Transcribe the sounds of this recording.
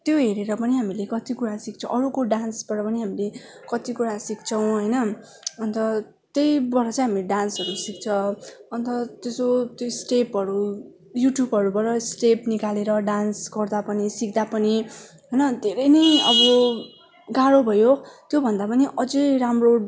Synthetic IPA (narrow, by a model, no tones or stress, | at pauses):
t̪joɦeɾeɾʌpʌniɦamilekʌt̪ikuɾasik̚t͡sʰʌ̰̃ʔʌɾukoɖansbʌɾʌpʌniɦamilekʌt̪ikuɾasik̚t͡sʰʌw̃ɦʌjnʌ | ʌnt̪ʌ | t̪ejbʌɾʌt͡sãj̃ɦamileɖansʌɾusik̚t͡sʰʌʌnt̪ʌt̪jesot̪josʈepɦʌɾu | juʈjubʌɾubʌɾʌsʈepnikaleɾʌɖansɡʌrd̪apʌnisik̚d̪apʌni | ɦʌjnʌd̪ʱeɾʌjnʌjʌbʌ | ɡaɽobʱʌjot̪jobʱʌnd̪apʌniʔʌd͡zʌjɾamro